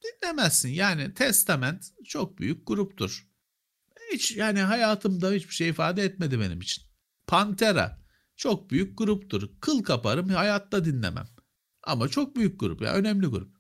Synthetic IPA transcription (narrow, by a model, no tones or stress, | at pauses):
d̪̥inlʲe̞mæsːinjaːnit̪ʰɛst̪ʰamænt̪t͡ʃʰok̚by̰jyc̚ɡuɾupt̪ʰuɾ̥ | hit͡ʃjaːniɦajaːt̪ʰɯmd̪ahit͡ʃbi̥ʃejifaːd̪ɛɛt̪me̞d̪ibenimit͡ʃʰi̥n | pʰant̪ʰeɾa̰ | t͡ʃʰo̞k̚byjyc̚ɡuɾupt̪ʰuɾkʰɯlˠkʰapaɾɯmhajaːt̪ːad̪inlʲḛmæ̰m | a̰mat͡ʃʰo̞k̚byjyc̚ɡṵɾṵpja̰ʔø̞nɛmlʲiɡuɾup̚